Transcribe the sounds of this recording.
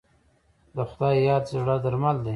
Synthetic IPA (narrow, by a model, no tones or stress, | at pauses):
d̪əxʊd̪ɑjjɑd̪zɪɽad̪aɾmald̪e